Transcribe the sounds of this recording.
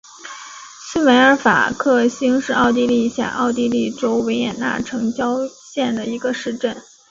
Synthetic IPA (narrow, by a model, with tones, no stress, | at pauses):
sɹ̩˥we˧˥ɪə˞˧˥fa̰˨˩kʰɤ˥˩ɕi˥ŋʂɻ̩˥˧ɑ˥˧ʊt̪i˥˧li˥˧ɕja̰˨˩ʔɑ˥˧ʊt̪i˥˧li˥˩ʈ͡ʂo˥ʊwe˧˥ɪjɛ˨˩nna̰˥˩ʈ͡ʂʰɤ˧˥ŋt͡ɕjɑ˥ʊɕjɛ˥˩nd̪ə˩i˧˥ɡə˧ʂɻ̩˥˧ʈ͡ʂə˥˩n